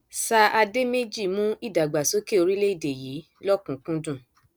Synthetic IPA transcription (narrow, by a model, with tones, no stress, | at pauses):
sa˧ʔa˧de˦me˦d͡ʒi˦˨mũ˦i˦˨da˨ɡ͡ba˨so˨˦ke˦˨o˧ɾi˦le˦i˦˨de˨ji˨˦ | lɔ˦kũ˨kũ˦dũ˦˨